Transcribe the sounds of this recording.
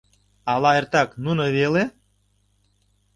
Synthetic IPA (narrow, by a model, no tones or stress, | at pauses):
alaert̪ɑknunəvele